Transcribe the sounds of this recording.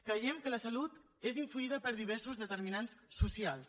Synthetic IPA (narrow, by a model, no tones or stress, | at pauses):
kɾəjɛmkələsəlut̪ | eziɱfluiðəpəɾðiβ̞ɛɾsuzðət̪əɾminansːusialˠs